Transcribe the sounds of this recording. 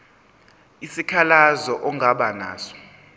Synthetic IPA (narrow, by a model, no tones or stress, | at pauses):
isikʰalazɔʔɔŋʱaɓana̰ːsɔ̥